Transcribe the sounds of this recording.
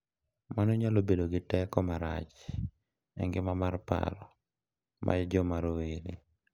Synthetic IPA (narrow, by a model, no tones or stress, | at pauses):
manɔɲalobedoɡɪtɛkɔmaɾa̰t͡ʃ | ɛ̰ŋɡɪmamarpa̰lɔ | mʔa̰jd͡ʒɔmaɾoweɾḭ